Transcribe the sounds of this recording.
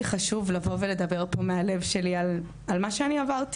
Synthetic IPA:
iχaʃuvlavo̞vele̞d̪abe̞ʁpo̞meale̞vʃe̞lial | almaʃeaniavaʁt̪

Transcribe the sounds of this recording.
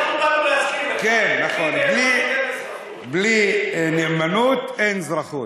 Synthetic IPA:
kenːaχonbli | blinemanut̪enzɾaχut̪

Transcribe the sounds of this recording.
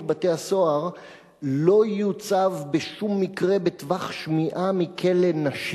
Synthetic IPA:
bate̞haso̞aʁ | lo̞jut͡savbeʃumːikʁe̞betvaχʃmiʔamikʰe̞lenaʃ

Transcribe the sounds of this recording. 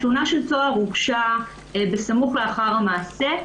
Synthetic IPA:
tunaʃelt͡soaʁuɡʃa | besamuχleaχaʁhamaːse̞

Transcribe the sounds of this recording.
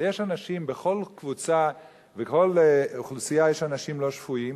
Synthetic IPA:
jeʃanaʃimbeχo̞lkvut͡sa | veko̞luχlusijajeʃanaʃimlo̞ʃfuim

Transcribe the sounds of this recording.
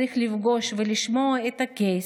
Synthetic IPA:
ixlʲivɡoʃvɨlʲiʃmoɛt̪ɐkʲej

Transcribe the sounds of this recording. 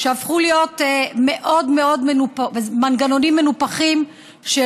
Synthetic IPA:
ʃeafχulijo̞tmeʔo̞dme̞o̞dmenupavemanɡano̞nimːe̞nupaχim | ʃe

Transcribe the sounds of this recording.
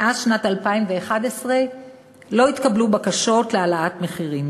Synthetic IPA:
ʔazʃnatalpaimveːχadesʁe | lo̞it̪kablubakaʃo̞tlealaʔatme̞χiʁim

